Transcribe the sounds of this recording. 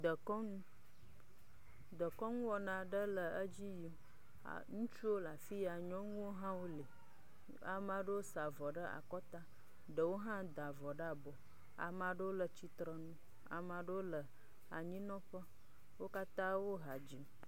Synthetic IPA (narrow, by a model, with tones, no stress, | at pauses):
d̪ə˨kɔ˦nũ˦ | d̪ə˨kɔ˦ŋũ˦wɔ˦nã˨ɖə˦lə˨ə˦d͡ʑi˦ji˦m̰˨ | ŋũ˦t͡ʃu˦wo˦la˨fi˦ja˨ɲɔ̃˦ŋũ˦wo˦ɦã˦wo˦le˨ | a̰˨mã˨ɖə˦wo˦sa˨vɔ˨ɖə˦a̰˨kɔ˦t̪a˦ | ɖə˨wo˦ɦã˦d̪a˨vɔ˨ɖə˦a˨bɔ˨ | a̰˨mã˨ɖə˦wo˦lə˨t͡ɕi˦t̪ɾə˨nũ˦ | a̰˨mã˨ɖə˦wo˦lə˨ | a˨ɲĩ˦nɔ̃˦ɸə˦ | wo˦ka˦t̪ã˦wo˦ɦa˨d͡ʑi˨m